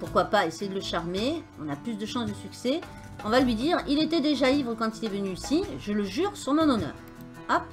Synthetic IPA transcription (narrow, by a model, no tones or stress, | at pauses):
puʁkwapaesejed̪ələʃaʁmeɔ̰̃naplys̬d̪əʃɑ̃sd̪əsyksɛ | ɔ̃valɥid̪iːʁilet̪ɛd̪eʒaivʁəkɑ̃t̪ilɛvənyisiʒələʒyːʁsyʁmɔ̃nɔnœ̰ːʁ | ap